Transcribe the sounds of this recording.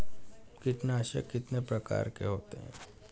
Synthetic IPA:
kɪt̪neaʃḛkɪt̪nepɾɐka̰ːɾkḛɦoːt̪eɦɛ̰̃ː

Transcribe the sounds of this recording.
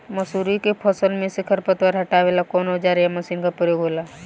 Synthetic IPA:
məsuːɾikepʰɔsəlmẽsɪkʰəɾpət̪wəɾɦəʈaʋeːlakɔnod͡ʒaːɾejaməsiːnkapʊɾjoɡʱɦoːla

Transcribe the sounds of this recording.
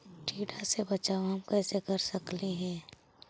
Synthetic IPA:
ʈʰiːɖasebət͡ʃaːoɦɐmkɛːsekəɾsəkliɦɛ̃ː

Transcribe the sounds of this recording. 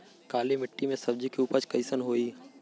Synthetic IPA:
kaːlemɪʈːimẽsɐb̚d͡ʒikiuːpət͡ʃkəɪsənɦoːiː

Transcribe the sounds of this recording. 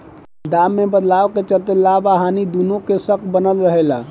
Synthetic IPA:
d̪amːebəd̪lawket͡ʃəlt̪elabaɦanid̪unõkesəkʰbənəlɾəɦela

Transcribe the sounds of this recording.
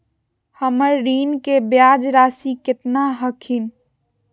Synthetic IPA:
həməɾːiːnkebjaːd͡ʒɾaːsikɪt̪naɦəkʰin

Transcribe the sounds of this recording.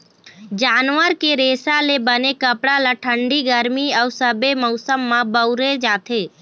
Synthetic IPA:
d͡ʒaːnʋəɾkeɾeːsalebənekəpɽalaʈʰəɳɖiɡəɾmiəwsəbemɔsəmːãbəwɾed͡ʒaːt̪ʰe

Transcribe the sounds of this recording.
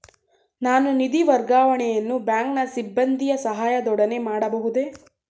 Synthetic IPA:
naːnunid̪iʋɐɾɡaːʋɐɳɛjɐnːubjaːŋknɐsibːɐnd̪ʱijɐsɐɦaːjɐd̪ɔɽɐne̞maːɽɐbɐɦud̪e̞

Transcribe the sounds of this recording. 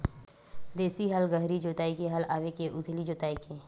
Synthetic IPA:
d̪eːsiɦɐlɡəɦɾid͡ʒoːt̪aːikeɦɐlaːʋekeʔʊd̪ʱlid͡ʒoːt̪aːikeː

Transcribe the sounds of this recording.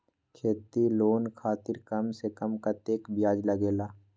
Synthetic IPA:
kʰeːt̪iloːnkʰaːt̪ɪɾkɐmsekəmkat̪eːkbɪjaːd͡ʒləɡeːlaː

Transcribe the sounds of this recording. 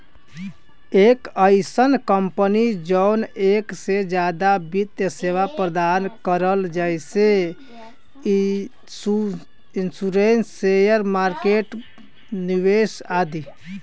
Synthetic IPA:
ekəɪsənkəmpənid͡ʒəʊneksed͡ʒjad̪abit̪jəseʋapɾəd̪ankəɾəld͡ʒəjse | insuɾensejəɾmaɾkeʈ | niʋesad̪i

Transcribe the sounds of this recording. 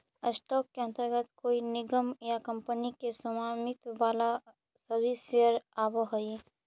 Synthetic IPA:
əsʈɔːkːeənt̪əɾɡət̪koːinɪɡəmjakɐ̃mpənikesʊmaːmɪt̪ʋaːla | səɾbʱisejəɾaːboɦoi

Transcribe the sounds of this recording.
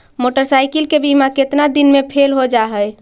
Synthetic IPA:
moʈəɾsajkilkebimaket̪nad̪inmepʰelɦod͡ʒaɦəj

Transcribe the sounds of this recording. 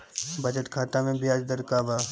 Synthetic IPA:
bəd͡ʒət̪kʰaːt̪amẽbɪjaːd͡ʒd̪əɾkaːʋaː

